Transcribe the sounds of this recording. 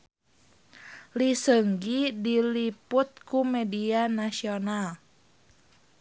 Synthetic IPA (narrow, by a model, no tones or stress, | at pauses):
lisəŋɡidiliput̪̚kumɛdianasional